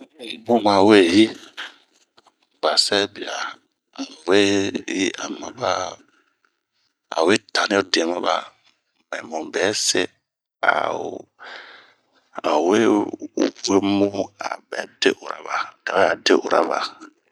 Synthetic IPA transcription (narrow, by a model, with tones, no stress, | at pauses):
mũ˦mã˨we˦˨ji˦ | b̥a˨sɛ˦bi˨a˨ | a˨we˦ji˦a˨mã˨ba˦ | a̰˨we˦tʰa˨nĩ˦o˦de˨mã˦ba̰˦ | mɛ̃˨mɔ̃˨bɛ˨˦sɪ˦ | a̰˨ | a˨we˦ | we˦mu˦a̰˨bɛ̰˨˦de˦ʔu˨ɾa̰˦ba˨da˨wɛ˦a˨de˦ʔṵ˨ɾa̰˨ba̰˨